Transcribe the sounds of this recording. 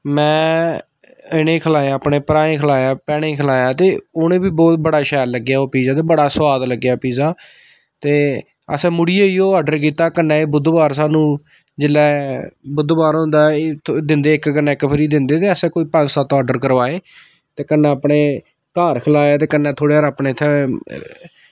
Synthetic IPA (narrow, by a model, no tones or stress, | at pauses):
mɛ̃ː | ɪnẽːkʰəlaːjãːpɳeːpɾaːẽːkʰəlaːjãːpɛːɽ̃ẽːkʰəlaːjãːt̪eːoːnẽːbiːbɔːt̪̚bəɽaːʃɛːlːəɡjaːoːpiːzaːt̪̬eːbəɽaːswaːd̪ləɡːjaːpiːzaː | t̪eː | ə̰sɛ̃ːmʊɽiːeːiːoːaːɖəɾk̬iːt̪aːkənːɛ̃ːeːbʊd̪baːɾsaːnũː | d͡ʒɪlːɛːbʊd̪baːɾɦʊ̃nd̪aːt̪ʰd̪ɪnd̪eːɪkkənɛ̃ːɪkpʰɾiːd̪ɪnd̪eːt̪eːəsɛ̃ːkoːiːpə̃nsaːt̪ɔːɖəɾkəɾʋaːeː | t̪eːkənːɛ̃ːapɳeː | kaːɾkʰlaːjaːt̪eːkənːɛ̃ːt̪ʰoːɽeːaːɾaːpneːt̪ʰːɛ